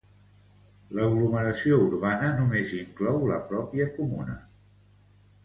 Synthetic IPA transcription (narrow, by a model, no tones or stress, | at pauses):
ləɣluməɾəsiouɾβanənumeziŋklɔwləpɾɔpiəkumunə̰